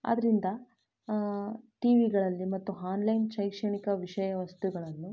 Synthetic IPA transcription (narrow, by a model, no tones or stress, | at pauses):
ɐ̰d̪ɐɾind̪ɐ | ʈiːʋiɡɐɭɐlːimɐt̪ːuɦaːnlɐjnʃɐjkʂɐɳikɐʋiʂɐjɐʋɐst̪uɡɐɭɐnːu